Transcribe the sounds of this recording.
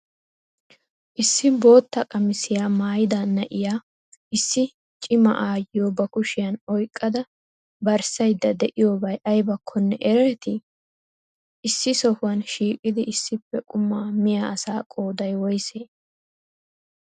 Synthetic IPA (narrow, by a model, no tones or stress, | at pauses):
ʔɪsːɪbo̞ːt̪ːɐkʼɐmɪsɪjaːmaːjɪd̪aːnːɐʔɪjaː | ʔɪsːɪ | t͡ʃʼɪmɐ̰ʔaːjɪjoːbɐkʊʃɪjɐnɔjkʼːɐd̪ɐ | bɐɾsɐjd̪ːɐd̪ɛʔɪjoːbɐjʔɐjbɐkʰːɔnːɛ̰ʔɛɾɛɾɛt̪ɪ | ʔɪsːɪsɔfʊwɐnʃiːkʼɪd̪ɪʔɪsːɪpːɛkʼʊmːaːmɪjaɐsaːkʼo̞ːd̪ɐjwɔjseː